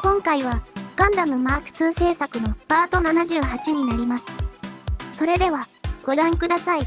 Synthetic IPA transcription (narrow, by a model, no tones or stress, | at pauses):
kõ̞ŋkaiβaɡ̥ãnd̪amɯ̟maːkɯ̥t͡sɨːse̞ːsakɯ̟no̞paːt̪o̞nanaʑɨːɦat͡ɕiɲ̟inaɾʲimasɨ̥ | so̞ɾe̞d̪e̞βaɡ̥o̞ɾãŋkɯ̟d̪asai